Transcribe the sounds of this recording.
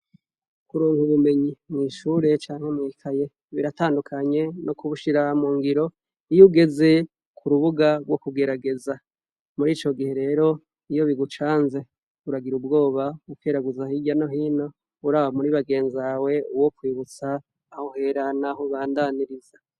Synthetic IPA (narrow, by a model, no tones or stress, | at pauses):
kuɾuːŋhuβume̞ɲimŋiːʃuːɾe̞t͡ʃaːŋ̥he̞mŋiːkʰaje̞ | βiɾataːndukʰaɲe̞nokuβuʃiɾamuːŋɡiɾo̞ | ijuɡe̞ze̞ | kʰuɾuβuɡaɾwo̞kuɡe̞ɾaɡe̞za | muɾiːt͡ʃo̞ɡihe̞ɾe̞ːɾo̞ | ijo̞βiɡut͡ʃaːnze̞ | βuɾaɡiɾubɡo̞ːβauke̞ɾaɡuzahiɟano̞ɦiːno̞ | uɾaːβamuɾiβaɡe̞ːnzawe̞uwokwiːβut͡saː | hohe̞ɾanaɦoβaːndaniɾiza